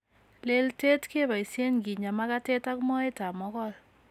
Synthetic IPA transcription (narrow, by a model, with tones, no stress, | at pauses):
le˦lte˦tke˦ba˨i˨sje˦nɡi˨ɲa˨ma˦ka˦te˦ta˦kmɔ˦e˦ta˨mɔ˦kɔ˦l